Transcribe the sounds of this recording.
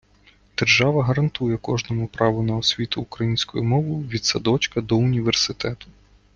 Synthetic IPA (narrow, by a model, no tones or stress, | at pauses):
d̪̥erʒɑʋɐɦɐɾɐnt̪ujɛkɔʒnɔmʊpɾɑʋʊnɐɔsʲʋʲit̪ʊːkɾɐjinʲsʲkʊjʊmɔʋʊʋʲid̪sɐd̪ɔt͡ʃkɐd̪ɔʊnʲiʋersɪt̪ɛt̪ʊ̥